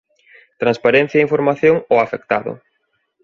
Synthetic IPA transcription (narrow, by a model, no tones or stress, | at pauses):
t̪ɾãnspaɾɛn̟θjaiɱfoɾmaθjoŋoafek̚t̪aðʊ̰